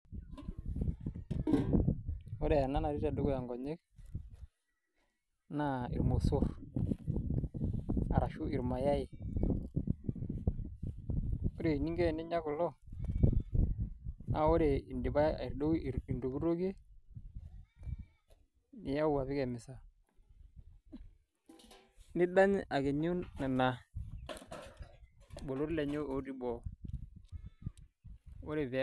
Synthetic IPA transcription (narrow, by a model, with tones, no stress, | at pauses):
o˦ɾe˨a˨na˦na˨ɾi˦ta˨do˦ɡu˦ja˨ŋɡɔ˨ɲe˦k̚ | na˦ḭ˨ɾmo˨sɔ˦f | a˨ɾa˨ʃu˦i˨ɾma˨ja˦ji˨ | o˦ɾe˨i˨ni˦ŋɡe˦˨ni˦ɲa˦ku˨lɔ˦ | na˨o˦ɾe˨i˨ndi˨ba̰˦˨i˨ɾdo˦˨i˨ndo˨ɡu˦ɾo˦ɡe˦ | nɪ˨ja˦u˦wa˨βɪ˦kɛ˨mɪ˨sa˨ | ni˦da˦n˦ʔa˨ɡe˨ɲu˦na˨na˨ | bo˨lo˦ɾle˨ɲo˦o˨ɾi˦bo˨ | o˦ɾe˨ve˨˦